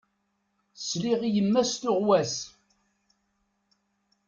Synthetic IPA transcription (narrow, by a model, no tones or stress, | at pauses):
sliʁijəmːæst̪ʊʁwæs